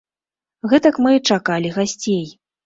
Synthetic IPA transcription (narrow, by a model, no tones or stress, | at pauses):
ɣɛt̪ɐkmɨt͡ʂakalʲiɣasʲt͡sʲej